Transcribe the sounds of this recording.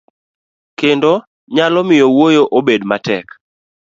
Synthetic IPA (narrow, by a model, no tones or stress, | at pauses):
kendo | ɲalɔmɪjowojoʔobedmatɛk